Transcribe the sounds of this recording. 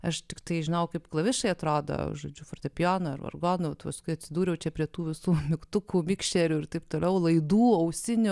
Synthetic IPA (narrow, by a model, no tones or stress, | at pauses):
ɐʃt̪ʲɪkt̪ɐɪʒʲɪnɐwkɐɪpklˠɐʋʲɪʃɐɪɐt̪ɾoːd̪o̰ʒo̰ːd͡ʒʲʊfort̪ʲɛpʲɪjoːnɐɐ̰rʋɐ̰rɡoːnɐʋɐt̪ʋɐskʊɪɐt̪ʲsʲɪd̪uːɾʲɛʊt͡ʃʲɛpʲɾʲiɛt̪uːʋʲɪsuːmʲɪkt̪ʊkuːmʲɪkʃʲtʲɛɾʲuːɪɾt̪ɐɪp̚t̪oːlʲɛʊlˠɐɪd̪uːɐʊsʲɪnʲʊ